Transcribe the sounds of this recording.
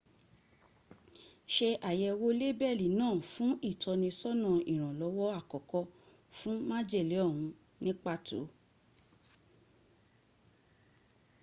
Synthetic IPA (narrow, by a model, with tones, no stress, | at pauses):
ʃe˧ʔa˨jɛ˧wo˦le˦bɛ˦˨li˨nãː˦˨fũ˦i˦˨tʰɔ˧nĩ˧sɔ˦nã˨i˨ɾ̃ã˨lɔ˨˧˦wɔ˦a˦˨kɔ˨kɔ˧ | fũ˦mã˦d͡ʒe˦˨li˨˦ɔ˦˨ɦũ˨˧˦ | nĩ˦k͡pa˦tʰo̰˨˦